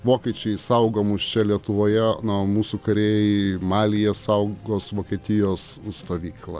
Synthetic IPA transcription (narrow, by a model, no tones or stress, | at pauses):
ʋoːkʲɛt͡ʃʲɛɪsɐʊɡoːmust͡ʃʲɛlʲiɛt̪ʊʋoːjɛnomuːsukɐɾʲeːjɛɪmɑːlʲɪjɛsɐʊɡoːsʋoːkʲiɛt̪ʲɪjoːsst̪oːʋʲiːklˠɐ̰